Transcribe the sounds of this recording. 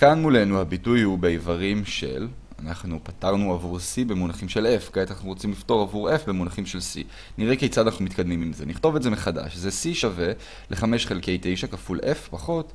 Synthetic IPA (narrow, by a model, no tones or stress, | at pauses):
kanmule̞nuhabitujhubeivaʁimʃe̞̰l | a̰naχnupataʁnuavuʁsibe̞munaχimʃe̞lefkaanaχnuʁot͡simlifto̞ʁavuʁe̞fbe̞munaχimʃe̞lsḭ | niʁekejt͡sad̪anaχnumit̪kad̪mimimzeniχto̞vezemeχada̰ʃzesiʃave̞ | lʔeχame̞ʃχe̞lke̞jtejʃakafulʔe̞fpaχo̞t